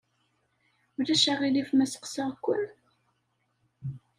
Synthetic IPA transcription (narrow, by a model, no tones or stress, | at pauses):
ʊɾæʃaʁilifmæsə̥qsəʁkʷːə̰n